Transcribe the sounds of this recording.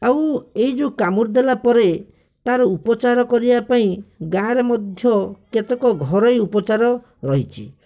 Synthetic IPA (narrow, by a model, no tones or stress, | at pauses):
aweid͡ʒukamuɾd̪elapɔɾe | t̪aɾɔupɔt͡ʃaɾɔkɔɾibapaĩɡãɾɔmɔd̪ʱjɔket̪ekɔɡʱɔɾɔjupɔt͡ʃaɾɔ | ɾɔɦit͡ʃʰḭ